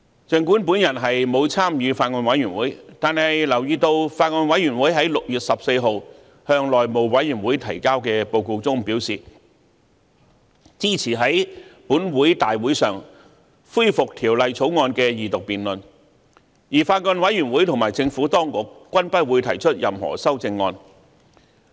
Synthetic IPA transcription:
t͡sɛ˨ŋkuː˨˥npuː˨˥njɐ˨˩nɦɐ˨jmo˨˧wt͡sʰaː˥mjyː˨˧faː˧t̚ŋɔː˧nwɐ˨˥jyː˨˩nwuː˨˥jt̪aː˨nhɐ˨jlɐ˨˩wjiː˧t̪o˧wfaː˧t̚ŋɔː˧nwɐ˨˥jɥy˨˩nwuː˨˥jɦɐ˨˥jlʊ˨k̚jyː˨t̚sɐ˨p̚se˧jɦo˨˧w | hœː˧ŋlɔː˨jmo˨˧wwɐ˨˥jyː˨˩nwuː˨˥jt̪ʰɐ˨˩jkaː˥wkɛː˧po˧wko˧wt͡sʊ˥ŋpiː˨˥wsiː˨ | t͡siː˥t͡sʰiː˨˩ɦɐ˨˥jpuː˨˥nwuː˨˥jt̪aː˨jwu˨˥jsœː˨˩ŋ | fuː˥jfʊ˨k̚t̪ʰiː˨˩wlɐ˨jt͡sʰo˨˥wŋɔː˧nkɛː˧jiː˨t̪ʊ˨k̚piː˨nlɵ˨n | jiː˨˩faː˧t̚ŋɔː˧nwɐ˨˥jyː˨˩nwuː˨˥jt̪ʰŋmaː˨˩jt͡sɪ˧ŋfuː˨˥t̪ɔː˥ŋkʊ˨k̚ːʷɐ˥npɐ˥wuː˨˥jt̪ʰɐ˨˩jt͡ʃʰɵ˥t̚jɐ˨mhɔ̰ː˨˩sɐ˥wt͡sɪ˧ŋːɔː˧n

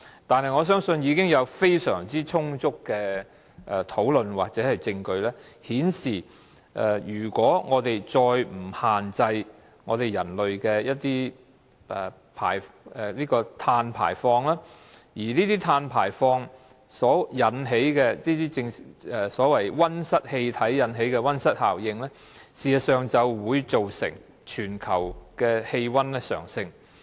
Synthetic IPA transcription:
t̪aː˨nhɐ˨jŋɔː˨˧s̬œː˥ŋsɵ˧njiː˨˧kɪ˥ŋjɐ˨˧wfe˥jsœ̰ː˨˩ŋt͡siː˥t͡ʃʰʊ˥ŋt͡sʊ˥kːɛː˧ | ʔɛ˨˧t̪ʰo˨˥wlɵ˧nwaː˨k̚t͡sɛː˨˥hɐ˨jt͡sɪ˧ŋkɵ˧ɥlɛː˥hiː˨˥nsiː˨˩ | ʔɛ˨jyː˨˩kʷɔː˨˥ŋɔː˨˧t̪e˨jt͡sɔː˧jm̩˨˩haː˨nt͡sɐ˧j | ŋɔː˨˧t̪e˨jɐ˨˩nlɵ˨ɥkɛː˧jɐ˥t̚t̪iː˥ | ɛ˨ | pʰa̰ː˨˩jɛ˨liː˥kɔː˧t̪ʰaː˧npʰa̰ː˨˩jfɔː˧ŋlaː˥ | jiː˨˩niː˥t̪iː˥t̪ʰaː˧npʰaː˨˩jfɔː˧ŋ | sɔː˨˥jɐ˨˥nɦe˨˥jkɛː˧niː˥t̪iː˥t͡sɪ˧ŋɛ˨sɔː˨˥wɐ˨˩jwɐ˥nsɐ˥t̚he˧jt̪ʰɐ˨˥jːɐ˨˧˥nɦe˨˥jkɛː˧wɐ˥nsɐ˥t̚haː˨˩wjɪ˧ŋlɛː˥ | siː˨˩jɐ˨˧sœː˨ŋt͡sɐ˨˧wwuː˨˧jt͡so˨wsɪ̰˨˩ŋ | t͡ʃʰyː˨˩nkʰɐ˨˩wkɛː˧he˧jwɐ˥nlɛ˥sœ̰ː˨˩ŋsɪ˧ŋ

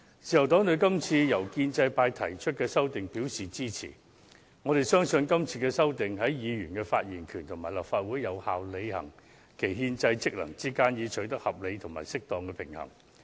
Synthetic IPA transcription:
t͡siː˨jɐ˨˩wt̪ɔː˨˥ŋt̪ɵ˧ɥkɐ˥mt͡sʰiː˧jɐ˨˩wkiː˧nt͡sɐ˧jpaː˧jt̪ʰɐ˨˩jt͡ʃʰɵ˥t̚kɛː˧sɐ˥wt̪ɪ˨ŋpiː˨˥wsiː˨˩t͡siː˥t͡sʰḭː˨˩ | ŋɔ˨˧ɾe˨jsœː˥ŋsɵ˧nkɐ˥mt͡sʰiː˧kɛː˧sɐ˥wt̪ɪ˨ŋɦɐ˨˥jjiː˨˧jyː˨˩nkɛː˧faː˧t̚jiː˨˩nkʰyː˨˩nt̪ʰʊ˨˩ŋmaː˨˩jlɐ˨p̚faː˧t̚wuː˨˥jɐ˨˧wha̰ː˨wle˨˧jhɐ̰˨˩ŋ | kʰe˨˩jɦiː˧nt͡sɐ˧jt͡sɪ˥k̚lɐ̰˨˩ŋt͡siː˥kaː˥njiː˨˧t͡ʃʰɵ˨˥t̪ɐ˥k̚hɐ˨˩p̚le˨˧jt̪ʰʊ˨˩ma̰ː˨˩jsɪ˥k̚t̪ɔː˨˧ŋkɛː˧pʰɪ˨˩ŋhɐ̰˨˩ŋ

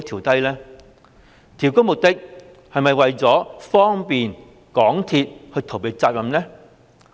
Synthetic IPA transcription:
t̪ʰiː˨˩wt̪ɐ˥jlɛː˥ | t̪ʰiː˨˩wkʊ˥mʊ˨k̚t̪ɪ˥k̚ | hɐ˨jmɐ˨jwɐ˨jt͡sɔː˨˥fɔː˥ŋpiː˨n | kɔː˨˥ŋt̪ʰiː˧t̚hɵ˧jt̪ʰo˨˩wpe˨˧jt͡saː˧t̚jɐ˨mnɛ˥

